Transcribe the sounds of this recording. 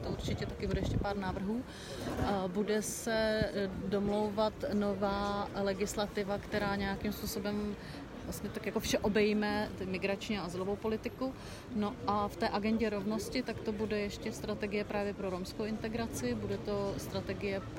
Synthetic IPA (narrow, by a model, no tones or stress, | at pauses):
t̪ouɾt͡ʃɪcɛt̪akɪbudɛjɛʃcɛpaːɾnaːvr̩ɦuː | budɛsɛdomlo̞wvat̪novaːlɛɡɪslat̪ɪvakt̪ɛɾaːɲɛjakɪmspuːso̞bɛm | vlast̪ɲɛt̪akjakofʃɛʔo̞bɛjimɛt̪mɪɡɾat͡ʃɲiaʔazɪlo̞vowpolɪt̪ɪku | no̞ʔʔaft̪ɛːʔaɡɛɲɟɛɾo̞vno̞scɪt̪akt̪obudɛjɛʃcɛst̪ɾat̪ɛɡɪjɛpɾaːvjɛpɾoɾomskowɪnt̪ɛɡɾat͡sɪbudɛt̪o̞st̪ɾat̪ɛɡɪjɛp